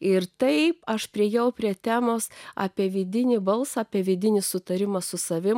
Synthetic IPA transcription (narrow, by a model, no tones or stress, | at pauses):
ɪrt̪ɐɪpɐʃpʲɾʲiɛjɛʊpʲɾʲiɛt̪ʲæːmoːsɑ̰ːpʲiɛʋʲɪd̪ʲɪnʲɪbɐlˠsɑɑːpʲiɛʋʲɪd̪ʲɪnʲɪsʊt̪ɐɾʲɪmɐsʊsɐʋʲɪ